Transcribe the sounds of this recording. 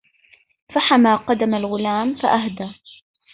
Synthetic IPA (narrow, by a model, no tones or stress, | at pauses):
faħamaːqɑd̪amalɣʊlaːmfaʔahd̪aː